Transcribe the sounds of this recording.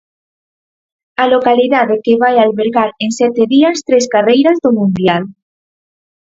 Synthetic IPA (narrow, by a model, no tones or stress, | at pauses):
alokaliðaðekeβajalβeɾɣaɾensɛt̪eðiast̪ɾeskarejɾazðomũnd̪jal